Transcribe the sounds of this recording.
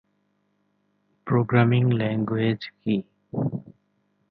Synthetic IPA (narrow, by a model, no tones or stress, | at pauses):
pɾoɡɾamiŋlɛŋɡwed͡ʑki